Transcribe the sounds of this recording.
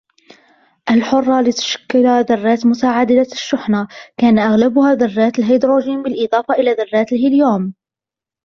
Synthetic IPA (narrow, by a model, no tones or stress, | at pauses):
ʔalħʊrˤːɑlɪt̪ḁʃḁkːalaðɑrˤːaːt̪mʊt̪aːʕad̪ɪlaʃːʊħnakaːnaʔaɣlabʊhaːðɑrˤːaːt̪alɦajd̪ɾoːʒiːmbɪlʔɪd̪ˤɑːfɑʔɪlaːðɑrˤːaːt̪lhɪljoːm